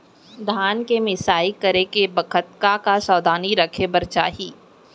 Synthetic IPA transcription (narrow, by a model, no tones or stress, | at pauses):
d̪ʱaːnkemɪsaːikɐɾekebɐkʰət̪̚kakasɔːd̪ʱaːniɾɐkʰebɐɾt͡ʃaːɦiː